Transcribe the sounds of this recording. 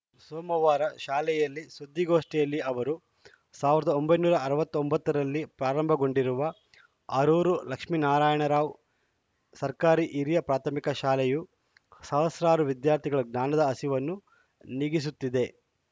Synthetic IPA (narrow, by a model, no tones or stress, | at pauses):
soːmɐʋaːɾɐʃaːlɛjɐlːisud̪ːiɡo̞ːʂʈɛjɐlːiɐʋɐɾu | saːʋiɾɐd̪ɐombɐjnuːɾɐɐɾɐʋɐt̪ːombɐt̪ːɐɾɐlːipɾaːɾɐmbʱɐɡo̞ɳɖiɾuʋɐ | aːɾuːɾulɐkʂminaːɾaːjɐɳɐɾaːʋ | sɐɾkaːɾiʔiɾijɐpɾaːt̪ʰɐmikɐʃaːlɛju | sɐɦɐsɾaːɾuʋid̪jaːɾt̪ʰiɡɐɭuɡnaːnɐd̪ɐɐsiʋɐnːu | niɡis̬ut̪ːid̪e̞